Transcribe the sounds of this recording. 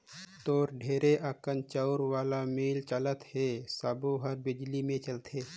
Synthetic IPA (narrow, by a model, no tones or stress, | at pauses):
t̪oːɾɖʱeːɾeʔaːkənt͡ʃəʊɾwaːlamiːlt͡ʃələt̪hesaboɦəɾbɪd͡ʒlimẽt͡ʃəlt̪ʰeː